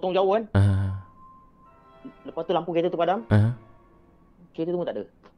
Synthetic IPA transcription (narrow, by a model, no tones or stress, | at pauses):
t̪ɔŋd͡ʒawoɦanaɦ | ləpat̪ulaŋpuket̪ət̪upadaməɦ | ket̪ət̪umut̪aʔdə